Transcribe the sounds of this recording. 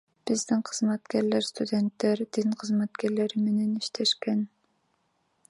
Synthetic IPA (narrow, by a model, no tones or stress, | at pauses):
b̥ɪzd̪ɪŋqʰəzmæt̪kʲæɾlæɾst̪ud̪ent̪ːeɾd̪iŋqʰɨzmæt̪kʲæɾleɾɪmenɛniʃt̪ʰæʃkʲæn